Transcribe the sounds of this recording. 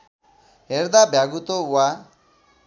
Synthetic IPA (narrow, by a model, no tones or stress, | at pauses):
eɾd̪abjaɡut̪owa